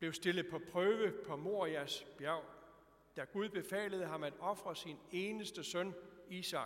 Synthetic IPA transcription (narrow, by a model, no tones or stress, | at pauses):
b̥le̝ʊsd̥e̝lð̩ˠpʰɒ̽pʰʁœːʋəpʰɒ̽mo̝ɐ̰æsb̥jæʊ̰ | d̥æɡ̥uð̞ˠb̥e̝fɛ̰ːləð̞̩ˠəɦɑ̈mæd̥ɒ̽fʁɐsine̝ːnəsd̥əsœniːsɑ̈